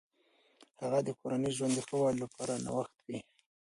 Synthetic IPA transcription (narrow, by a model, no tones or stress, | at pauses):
haɣad̪əkʰoɾaniʒwand̪əxəwɑlapʰɑɾana̰waxt̪wi